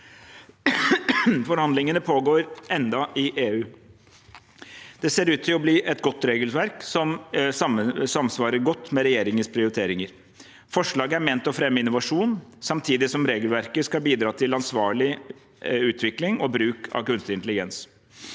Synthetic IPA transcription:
fɔɾhɑnd̪lɪŋənəpʰoːɡoːɾʔɛnd̪ɑʔɪʔeːʉː | d̪̥ɛseːɾʉːt̪ʰːɪlɔbliːʔɛt̪ɡɔt̪ːɾeːɡəlʋæɾksɔmsɑməsɑmsʋɑːɾəɾɡɔt̪ːmɛɾɛjeːɾɪŋənspʰɾɪʊɾɪt̪ʰeːɾɪŋəɾ | fɔʂɭɑːɡəæɾmeːnt̪ɔfɾɛmːəɪnːʊʋɑʂuːnsɑmt̪ʰiːd̪ɪsɔmɾeːɡəlʋæɾkəskɑbiːd̪ɾɑːt̪ʰɪlɑnsʋɑːɭɪ | ʉːt̪ʰʋɪklɪŋɔbɾʉːkʰɑ̰kʉnst̪ɪnt̪əlɪɡɛns

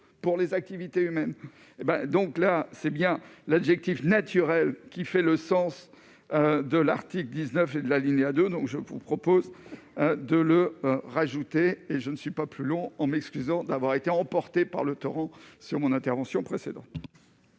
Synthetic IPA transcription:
puʁlezak̚t̪ivit̪eymɛn | ebɛ̃d̪ɔ̃klasɛbjɛ̃labʒɛk̚t̪ifnat̪ʰyʁɛlkʲifɛləsɑ̃s | ød̪əlaʁt̪ikld̪iznœfed̪əlaliɲead̪ød̪ɔ̃kʒəvṵpχɔpoz | d̪ələʁaʒut̪eːʒənəsɥipaplylɔ̃ɑ̃mɛkskʲyzɑ̃d̪avwaʁet̪eɑ̃pɔʁt̪epa̰ʁlət̪ɔʁɑ̃syʁmɔ̃nɛ̃t̪ɛʁvɑ̃sjɔ̃pχesed̪ɑ̃t̪

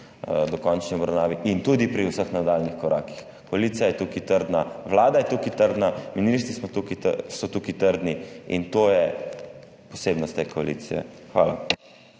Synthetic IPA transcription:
d̪ɔkɔnt͡ʃniɔbɾawnaːʋiʔint̪ud̪ipɾiuwsəxnad̪alnixkɔɾʔaːki̥x | kɔaliːt̪sijajɛt̪ukit̪əɾd̪naʋlaːd̪ajɛt̪ukit̪əɾd̪naminiʃt̪ɾismɔt̪ukḭsɔt̪ukit̪əɾd̪niḭnt̪ojɛ | pɔsebnɔst̪eːkɔalḭt̪sijɛ̰ | xʋa̰ːla̰

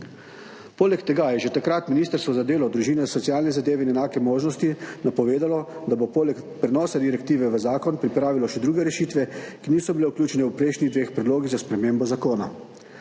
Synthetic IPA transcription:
poːlɛkt̪ɛɡajɛʒɛt̪akɾat̪miniːst̪əɾst̪ʋɔzad̪eːlɔd̪ɾuʒiːnɛsɔt̪sijaːlnɛzad̪eːʋɛinɛnaːkɛmoːʒnɔst̪inapɔʋeːd̪alɔd̪abopoːlɛk | pɾɛnɔːsad̪iɾɛk̚t̪iːʋɛʋəzaːkɔnpɾipɾaːʋilɔʃɛd̪ɾuːɡɛɾɛʃiːt̪ʋɛkiniːsɔbileuklʲjuːt͡ʃɛnɛwpɾɛɪʃniɣd̪ʋeːxpɾɛd̪loːɡiɣzaspɾɛmeːmbɔzakoːna

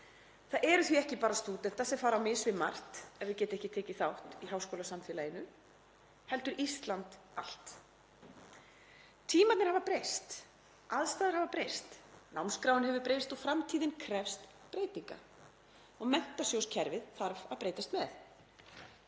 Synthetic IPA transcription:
θaðʔɛɾʏθviɛhcɪpaːɾast̪uːt̪ɛnt̪asɛmfaːɾawmɪsvɪmar̥t̪ɛvɪðcɛːt̪ɪɛhcɪt̪ʰɛːcɪθawht̪ihawskowlasamfɪlajɪnʏ | hɛl̪t̪ʏɾist̪lant̪ | al̥t̪ | t̪ʰiːmat̪nɪɾ̥havapɾejst̪ | ʔaðst̪aːðɪɾhavapɾejst̪nawmnskɾawɪnɦɛvʏɾpɾejst̪ɔɣfɾamt̪ʰiːðɪnkʰɾɛfst̪ | pɾeːjt̪iŋka̰ | ɔɣmɛn̥t̪asjowscʰɛɾvɪðθaɾvaðpɾeːjt̪ast̪mɛθ

